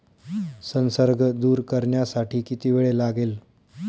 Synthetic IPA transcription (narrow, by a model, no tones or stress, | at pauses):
sənsəɾɡd̪uːɾkəɾɳjasaʈʰiːkit̪iʋeɭelaɡel